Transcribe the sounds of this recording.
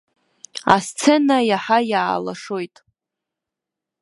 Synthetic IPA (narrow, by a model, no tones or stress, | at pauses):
a̰st͡sʰenajaħajaːlaʂojtʼ